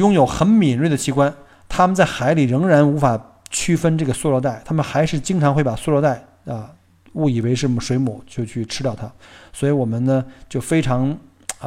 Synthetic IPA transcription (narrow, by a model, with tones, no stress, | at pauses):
jʊ˥ŋjo˨˧˩ʊxə˧˥nmi˨˩nɻi˥˩d̪ə˩t͡ɕʰi˧˥kwa˥n | t̪ʰa˥mə˨nt͡sa˥˩ɪxa˧˥ɪli˨˩ɻɤ˧˥ŋɻa˧˥nu˧˥fa˨˩ | t͡ɕʰy˥fə˥nʈ͡ʂɤ˥˩ɡə˩swu˥˧lɔ˧t̪a˥˩ɪt̪ʰa˥mə˨nxa˧˥ɪʂɻ̩˥˩t͡ɕi˥ŋʈ͡ʂʰɑ˧˥ŋxwe˥˩ɪpa˨˩su˥˧lwɔ˥t̪a˥˩ɪ | ə˧ | u˥˩i˨˩we˧˥ɪʂɻ̩˥˩ə˥˩mə˩ʂwe˧˥ɪmṵ˨˩˦t͡ɕjo˥˧ʊt͡ɕʰy˥˩ʈ͡ʂʰɻ̩˥t̪jɑ˥˩ʊt̪ʰa˥swɔ˧˥i˧˥wɔ˨˩mə˦nnə˧t͡ɕjo˥˩ʊfe˥ɪʈ͡ʂʰɑ˧˥ŋ